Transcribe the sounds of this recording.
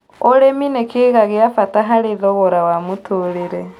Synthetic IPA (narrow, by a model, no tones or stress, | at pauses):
oɾeminekeːɣaɣeafataɦaɾeðɔɣɔɾawamotʰoːɾeɾɛ